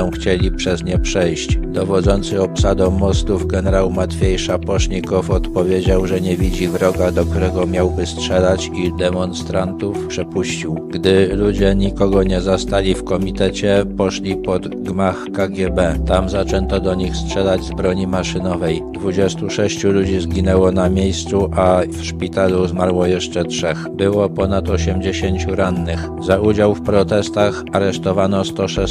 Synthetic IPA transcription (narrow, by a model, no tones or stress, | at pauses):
ɔ̃w̃xt͡ɕelʲipʂɛzɲɛpʂɛjɕt͡ɕd̪̥ɔvɔd̪zɔnt̪sɘɔpsad̪ɔ̃mɔst̪uvɡɛnɛɾawmat̪fʲjejʂapɔʂɲikɔfɔt̪pɔvʲjed͡ʑawʐɛɲɛvʲid͡ʑivɾɔɡad̪ɔk̚t̪uɾɛɡɔmʲjawbɘstʂɛlat͡ɕid̪ɛmɔnst̪ɾant̪ufpʂɛpuɕt͡ɕiwɡd̪ɘlud͡ʑɛɲikɔɡɔɲɛzast̪alʲifkɔmʲit̪ɛt͡ɕɛpɔʂlʲipɔd̪ | ɡmaxkaɡʲjɛbɛt̪amzat͡ʂɛnt̪ɔd̪ɔɲixstʂɛlad͡ʑzbɾɔɲimaʂɘnɔvɛjd̪vud͡ʑɛst̪uʂɛɕt͡ɕulud͡ʑizɡʲinɛwɔnamʲjejst̪suʔafʂpʲit̪aluzmaɾwɔjɛʂt͡ʂɛtʂɛxbɘwɔpɔnat̪ɔɕɛmd͡ʑeɕeɲt͡ɕuɾanːɘx | zaud͡ʑawfpɾɔt̪ɛst̪axaɾɛʂt̪ɔvanɔst̪ɔʂɛ